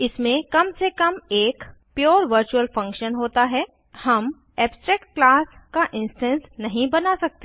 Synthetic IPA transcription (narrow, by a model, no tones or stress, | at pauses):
ɪsmẽkɐmsekɐmeːkpjoːɾʋəɾt͡ʃuəlfɐ̃ŋkʃənɦoːt̪aɦɛː | hɐm | ɛːbsʈɾɛːk̚ʈ̚klaːskaʔɪ̃nsʈɛ̃nsnɐɦĩbɐnasɐk̚t̪e